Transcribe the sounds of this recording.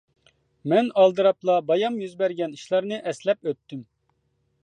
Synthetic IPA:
mɛnɑlˠd̪ɨɾɑplˠɑbɑjɑmjyzbɛɾɡʲɛni̥ʃlˠɑɾnɨʔɛslɛpøt̪ːym

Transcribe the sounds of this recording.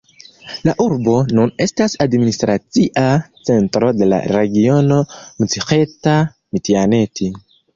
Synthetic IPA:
laʔuɾbo̞nune̞stasadministɾat͡siʔat͡se̞ntɾo̞de̞la̰ɾe̞ɡio̞no̞mut͡sixeta | mitiane̞ti

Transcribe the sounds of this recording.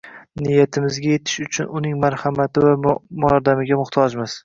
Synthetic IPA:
nɪjat̪ʰɪmɪzɡʲaje̞t̪ʰɪ̥ʃʊt͡ʃʰʊnʊnɪŋmaɾhamat̪ʰɪvamʊɒɾd̪amɪɡʲamʊχt̪ʰɒd͡ʒmɪz̥

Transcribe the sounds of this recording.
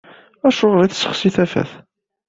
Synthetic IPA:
æʃʊʁliθsːə̥χsiθæfæ̰θ

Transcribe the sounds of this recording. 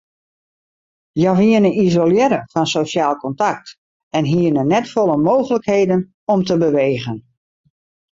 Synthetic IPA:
jaʋiənəizoljɛɾəfɔnsosaːlˠkɔntak̚t | ɛnɦiənənɛtfɔlˠəmoːɣələkheːdən | ɔmtəbəʋeːɣən

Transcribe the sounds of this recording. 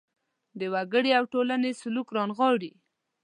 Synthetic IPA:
d̪əwaɡəɽeawʈolanesʊlukɾɑnɣɑɽi

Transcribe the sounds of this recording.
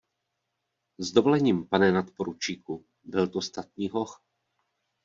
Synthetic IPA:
zd̪obolɛɲiːmpanɛnat̪poɾut͡ʃiːku | bɪlt̪ost̪at̪̚ɲiːɦox

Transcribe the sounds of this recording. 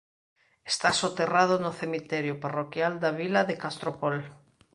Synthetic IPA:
est̪asot̪erað̞onoθemit̪ɛɾjʊparokjald̪aβilaðekast̪ɾopol

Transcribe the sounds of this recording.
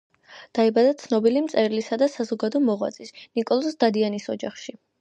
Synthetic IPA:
d̪̥aibad̪at̪sʰnɔbilimt̪sʼɛɾilisad̪asazɔɡad̪ɔmɔʁwa̰t̪sʼisnikʼɔlˠɔsd̪ad̪ianisɔd͡ʒaχʃi

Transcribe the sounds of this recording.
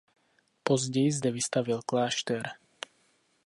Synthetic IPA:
pɔzɟɛjzd̪ɛvist̪avilklaːʃt̪ɛɾ

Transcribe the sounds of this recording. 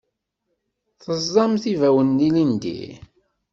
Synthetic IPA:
θəzˤːɑmθivæwənːilind̪ḭ

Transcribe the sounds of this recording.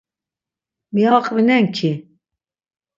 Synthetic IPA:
mijɑːqʼvinɛŋkʰi

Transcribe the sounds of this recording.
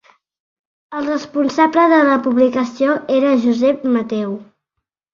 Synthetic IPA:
əlˠrəspunsabləðələpuβlikəsioeɾəʒuzɛpmət̪ɛw

